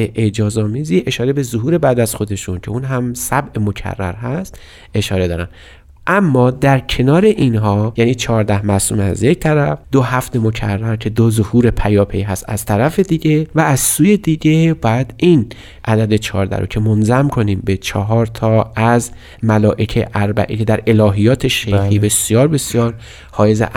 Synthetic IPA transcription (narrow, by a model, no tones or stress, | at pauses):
eʔed͡ʒɒːzɒːmiːziːʔe̞ʃɒːɾe̞be̞zoɦuːɾe̞bæd̪æz̥xo̞d̪e̞ʃuncʰe̞uːnɦæmsæbʔe̞mo̞cʰæ̰rːæ̰ɾɦæst̪ | ʔe̞ʃɒːɾe̞d̪ɒːɾæn | ʔæmːɒːd̪æɾcʰe̞nɒːɾe̞ʔinɦɒːjæːniːt͡ʃʰɒːɾd̪æhmæsuːmeæ̰zje̞cʰt̪ʰæɾæfd̪oɦæfd̪e̞mo̞cʰæ̰rːæɾcʰe̞d̪ozohuːɾe̞pʰæjɒːpʰejɦæst̪æ̰z̥t̪ʰæɾæfe̞d̪iɟevæːzsuːje̞d̪iɟebɒːjæd̪in | ʔæd̪æd̪e̞t͡ʃʰɒːɾd̪æ̰hɾo̰cʰe̞monzæmkʰo̞niːmbe̞t͡ʃʰɒɦɒːɾt̪ʰɒːæz | mælɒːʔe̞cʰeʔæɾbæ̰ʔḭːkʰe̞d̪æɾe̞lɒːɦijɒːt̪ʰe̞ʃexiːbe̞sijɒːɾbe̞sjɒːɾ | hɒːjezḛʔ